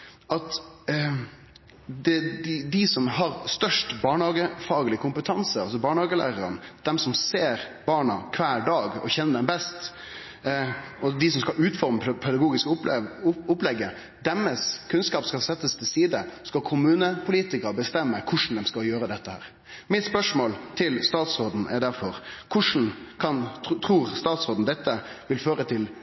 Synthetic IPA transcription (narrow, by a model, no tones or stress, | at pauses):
ɑt̪ | d̪ɛd̪ɪd̪ɪsɔmɦɑɾst̪œʂʈbɑːɳhɑːɡəfɑːɡəlɪkʰʊmpət̪ʰɑnsəɑlsɔbɑːɳhɑːɡəlæ̰ːɾəɾə̰nd̪̥ɛmsɔmseːɾb̥ɑːɳɑkʰʋæːɖɑːɡɔ̰çɛnːəd̪ɛmbɛst̪ | ɔd̪ɪs̬ɔmskɑlʉːt̪fɔɾməpʰɛd̪ɑɡuːɡɪskʊ | ʊplɛɡːə | d̪ɛmːəskʰʉnskɑːpskɑsɛt̪ːəst̪ʰɪlsiːd̪əskɑkʰʊmʉːnəpʰʊliːt̪ɪkəɾbəst̪ɛmːəkʰʊʂn̩d̪ɛmskɑjøːɾəd̪ɛt̪ːəhæ̰ːɾ | mɪt̪spœʂmoːlt̪ʰɪlst̪ɑːt̪sɾoːd̪n̩ʔɛ̰ɾɖ̪æɾfɔɾkʰʊʂn̩kʰɑnt̪ʰɾuːɾst̪ɑːt̪soːd̪n̩d̪ɛt̪ːəʋɪlføːɾət̪ʰɪl